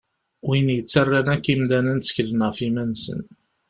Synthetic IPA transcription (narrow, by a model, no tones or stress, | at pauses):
winjət͡sːərːænækːimd̪ænænsçlənəʁfimænsə̰n